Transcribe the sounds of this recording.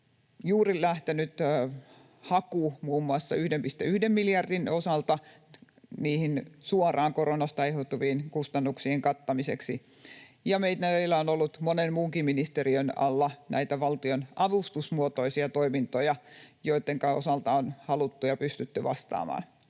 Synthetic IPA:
juːrilæht̪enyt̪ː | hɑkumuːmːuɑsːɑyhdempist̪eyhdemːiljɑrdinosɑlt̪ɑ | niːhinsuorˑɑːŋkoronɑst̪ɑehot̪ːuʋiːnkust̪ɑnːuksiːŋkɑt̪ːɑmisḛksi | jɑmeit̪næilːæonolːut̪monenmuːŋkiminist̪eriønɑ̰lːɑnæ̰it̪æʋɑlt̪ionʔɑʋust̪usmuot̪oisiɑt̪oimint̪ojɑjoit̪ːeŋkɑo̰sɑlt̪ɑonhɑlut̪ːujɑpyst̪yt̪ːyʋɑ̰st̪ɑ̰ːmɑ̰ːn

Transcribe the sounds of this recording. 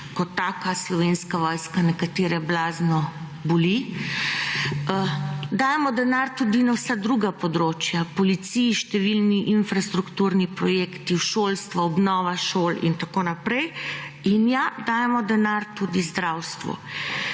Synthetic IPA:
kɔt̪ːaːkaslɔʋenskaʋɔjskanɛkat̪eːɾɛblaːznɔ | buli | d̪aːjɛmɔd̪ɛnaɾt̪ud̪inawsad̪ɾuɡapɔd̪ɾoːt͡ʃjapɔlit̪sijʃt̪ɛʋilniʔinfɾast̪ɾukt̪uːɾnipɾɔjeːkt̪iwʃoːlst̪ʋaɔbnɔːʋaʃoːlḭnt̪akoːnapɾɛjinjad̪aːjɛmɔd̪ɛnaɾt̪ud̪izd̪ɾawst̪ʋɔ̰

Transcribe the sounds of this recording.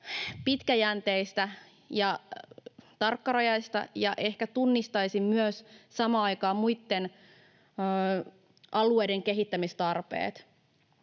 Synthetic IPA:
pit̪kæjænt̪eist̪æ | jɑ | t̪ɑrkːɑrɑjɑjst̪ɑ̰jɑʔe̞hkæt̪unːist̪ɑisimmyøssɑmɑːɑjkɑːmuit̪ːenː | ʔɑluejdeŋkeɦit̪ːæmist̪ɑrpḛːt̪

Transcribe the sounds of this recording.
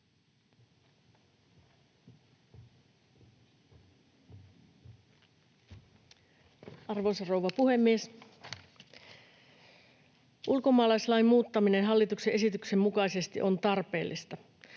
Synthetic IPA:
ɑrʋosɑrowʋɑpuhe̞mːies | ʔulko̞mɑːlɑislɑimmuːt̪ːɑminenɦɑlːit̪ukseʔe̞sit̪yksemmukɑise̞st̪ḭʔo̞nt̪ɑrpe̞ːlːist̪ɑ

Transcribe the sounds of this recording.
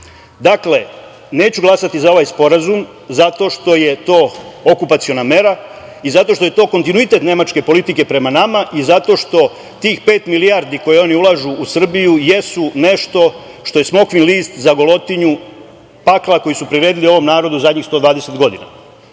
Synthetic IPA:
d̪akle̞ | ne̞ːt͡ɕuɡlˠasat̪izao̞ʋajspo̞ɾazum | zat̪o̞ːʃt̪o̞je̞t̪o̞ːokupat̪sio̞name̞ɾa | izat̪oʃt̪o̞je̞t̪o̞ːko̞nt̪inuit̪e̞t̪ne̞mat͡ʃke̞po̞lit̪ike̞pɾe̞manamaʔizat̪o̞ːʃt̪o̞ | t̪iːxpe̞ːt̪milijaɾd̪iko̞jeo̞niulˠaʒuʔːsr̩bijujesune̞ʃt̪o̞ | ʃt̪o̞je̞smo̞kʋinliːst̪zaɡo̞lo̞t̪iɲu | paklˠako̞jisupɾiɾe̞ːd̪ilio̞ʋo̞mnaːɾo̞d̪uzad̪ɲixst̪o̞d̪ʋaːd̪ese̞t̪ɡo̞d̪ina̰

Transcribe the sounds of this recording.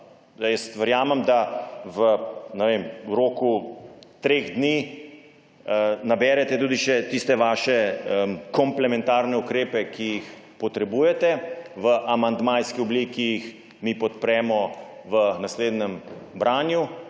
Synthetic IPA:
ajəst̪ʋəɾjaːmɛmd̪aʋənɛʋeːmuɾoːkut̪ɾeːɣd̪niː | nabɛːɾɛt̪ɛt̪uːd̪iʃɛt̪ist̪ɛʋaːʃɛəmkɔmplɛmɛ̃nt̪aːɾnɛukɾeːpɛkijix | pɔt̪ɾɛbuːjɛt̪ɛʋəʔamand̪majskiɔbliːkijix | mipɔt̪pɾɛːmɔʋənasleːd̪nɛmbɾaːnju

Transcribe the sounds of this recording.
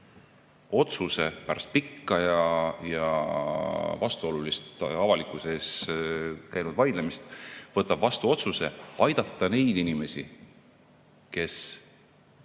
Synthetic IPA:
o̞t̪suse̞pæɾɑst̪̚pikːɑjɑjɑ | vɑst̪uo̞lulist̪ɑvɑlikˑuse̞ːs | kæjnud̪vɑjd̪lemist̪vɤt̪ːˑɑb̥vɑst̪uo̞t̪suse̞̰ɑjd̪ɑt̪ːˑɑne̞jd̪̥inime̞si | ke̞s

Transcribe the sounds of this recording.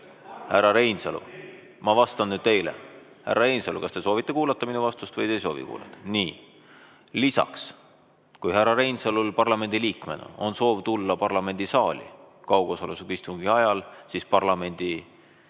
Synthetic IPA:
hærːɑɾe̞jnsɑlṵ | mɑvɑst̪ɑnnyːd̪̥̚t̪e̞jlḛ | hæ̰rːʔɑɾejnsɑlukɑst̪eso̞ːvit̪ːe̞kuːlɑt̪ːɑminuvɑst̪ust̪vɤjd̪e̞jso̞ːvḭkṵːlɑ̰t̪ːˑɑ̥niː | lisɑ̰ks | kujhæɾɑɾe̞jnsɑlulpɑrlɑme̞nʲd̪̥iliːkˑmenɑ̰o̞nso̞ːvt̪ulːɑpɑrlɑme̞nʲd̪isɑːlʲḭkɑwɡ̥osɑlesukist̪uŋɡiɑjɑlsispɑrlɑme̞nʲd̪̥i

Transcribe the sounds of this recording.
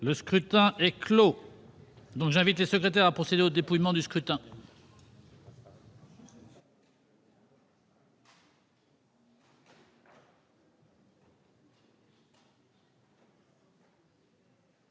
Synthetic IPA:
ləskχyt̪ɛ̃ɛklo | d̪ɔ̃kʒɛ̃vit̪lesəkχet̪̬ɛʁapχɔsed̪eod̪epujmɑ̃d̪yskχyt̪ɛ̃

